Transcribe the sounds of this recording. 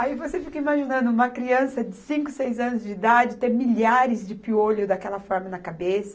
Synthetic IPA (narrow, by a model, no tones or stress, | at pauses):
aivosefikɐimaʒinɐ̃nd̪ʊũmɐkɾiɐ̃sɐd͡ʒɪsĩŋkʊsejzɐ̃nʊzd͡ʒɪid̪ad͡ʒɪt̪ẽmiʎaɾɪzd͡ʒɪpioʎʊd̪akɛlɐfɔɾmɐnɐkabesɐ̥